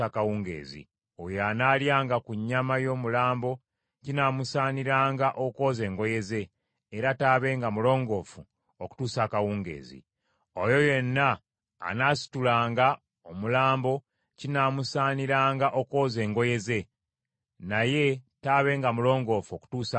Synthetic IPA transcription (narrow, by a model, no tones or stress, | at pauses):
akawuːŋɡḛːzḭ | ojoanaːljaːŋɡakuɲːamajo̞ːmulaːmbo̞ | cinaːmusaːniɾaːŋɡaʔoko̞ːze̞ːŋɡo̞je̞ze̞ː | ɾataːβe̞ːŋɡamulo̞ːŋɡo̞ːfu | oku̥tuːsakawuːŋɡe̞̰ːzḭ | ojo̞je̞nːa̰ː | naːsi̥tulaːŋɡa | omulaːmbo̞ | cinaːmusaːniɾaːŋɡaʔoko̞ːze̞ːŋɡo̞je̞ze̞ | naje̞taːβe̞ːŋɡamulo̞ːŋɡo̞ːfuoku̥tuːsa